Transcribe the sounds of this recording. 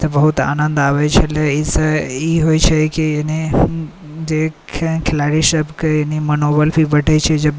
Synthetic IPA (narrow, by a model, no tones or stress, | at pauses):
t̪ɐbɐɦʊt̪a̰ːnə̃nd̪aːʋet͡ʃʰeleisəiɦoit͡ʃʰekini | d͡ʒekʰkʰɪlaːɽiʃɐbkenimɐnobəlfibɐʈʰet͡ʃʰed͡ʒɐb